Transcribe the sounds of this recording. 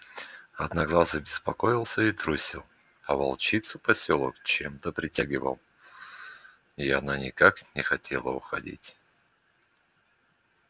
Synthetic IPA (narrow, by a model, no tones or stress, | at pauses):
ɐd̪nɐɡlˠazəbʲɪspɐkoɪlˠsʲəit̪ɾusʲilˠ | ɐvɐ̰lˠt͡ɕit̪sʊpɐsʲolˠə̰kt͡ɕemt̪əpɾʲɪtʲaɡʲɪvə̰lˠ | iɐ̰nanʲɪkaknʲɪxɐtʲʰḛlˠəʊxɐdʲḭtʲ